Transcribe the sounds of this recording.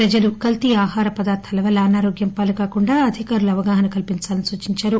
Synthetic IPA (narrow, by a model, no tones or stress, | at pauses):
ɾɐd͡ʒɐlukɐlt̪iaːhaːɾɐpɐd̪aːɾt̪ʰɐlɐʋɐlaːnaːɾoːɡjɐmpaːlɐkaːkuɳɖaːɐd̪ʱikaːɾɐluɐʋɐɡaːɦɐnɐkɐlpint͡ʃaːlɐnisuːt͡ʃiɲt͡ʃaːɾu